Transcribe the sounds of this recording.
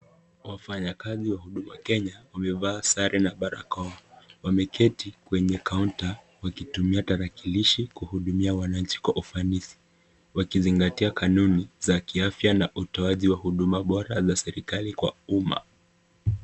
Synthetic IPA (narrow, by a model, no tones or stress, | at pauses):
wafaɲakaziwahuɗumakɛɲawamɛvaːsaɾʔɛnaɓaɾa̰kɔawamɛkʰɛtikwɛɲɛkaunta | wakitumiataɾakiliʃikuhuɗumiawanaɲ̩t͡ʃi̥kwa̰ʔufanisi̥ | wakiziŋɡatiakʰanunizakiafjanaʔutɔaʄiwahuɗumaɓɔɾazasɛɾikalikwa̰uma̰